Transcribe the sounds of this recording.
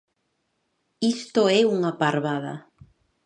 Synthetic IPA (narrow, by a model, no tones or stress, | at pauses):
ist̪oɛuŋapaɾβaða̰